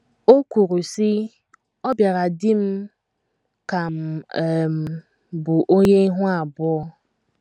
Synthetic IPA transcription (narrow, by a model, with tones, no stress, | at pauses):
o˦kʷu˨ɾu˨sɪ˦ | ɔ˦bja˨ɾa˨dɪ˦m̩˦ | ka˨m̩˨m̩˨˦ | bʊ˨ʔo˦ɲe˦i˦ɦʊ˦a˨bɔ˦